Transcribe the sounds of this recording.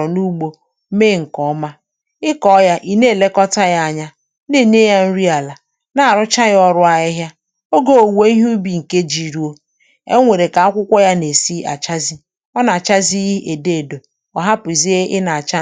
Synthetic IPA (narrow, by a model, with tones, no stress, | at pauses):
ɔ˨nu˦ɡ͡bo˦ | me˦˨ŋ̩˨kɔ˨˦ma˦ | ɪ˦kɔ˦ja˦ʔi˨ne˦˨le˦kɔ˦ta˦ja˦a˨ɲa˦ | ne˦˨ɲe˦ja˦n̩˦ɾi˦a˨la˨ | na˦a˨ɾʊ˦t͡ʃa˦ɣɪ˦ɔ˦ɾʊ˦a˨ɦɪ˦ɦja˦ | o˦ɡo˦˨o˨we˦i˦ɦu˦bi˨ŋ̩˨ke˦d͡ʒi˨ɾu˦o˦ | ḛ˦ŋʷe˨ɾe˨ka˨a˦kʷʊ˦kʷɔ˦ja˦ne˨si˦ʔa̰˨t͡ʃa˦zi˦ | ɔ˦na˨t͡ʃa˦zi˦ʔe˨de˦e˨do˨ | ɔ˨ɦa˦pʊ˨i˨zi˦e˦ʔɪ˦na˨a˨t͡ʃa˦